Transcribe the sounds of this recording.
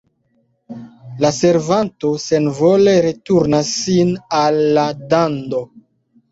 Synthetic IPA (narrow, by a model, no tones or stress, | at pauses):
lase̞ɾvantose̞nvo̞le̞ɾe̞tuɾnasːinalːadando̞